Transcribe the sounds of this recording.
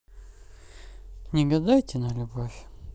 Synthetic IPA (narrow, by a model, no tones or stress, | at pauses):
nʲɪɡɐd̪ajt̪ʲɪnɐlʲʊbofʲ